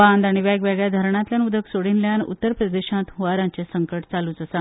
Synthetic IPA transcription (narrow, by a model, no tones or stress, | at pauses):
and̪aɽ̃iʋaɡʋaɡɭjad̪ʱəɾɳat̪ljanud̪ʱəksoɽinljanṵt̪ːəɾpɾəd̪eɕãt̪ɦuʋaɾãɲt͡ɕesəŋkəʈt͡saluːt͡səsa